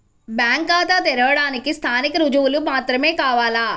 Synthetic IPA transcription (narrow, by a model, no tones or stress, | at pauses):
bjaːŋkaːt̪aːt̪ɛɾɐʋɐɽaːnikist̪ʰaːnikɐɾud͡ʒuʋulumaːt̪ɾɐme̞ːkaːʋaːla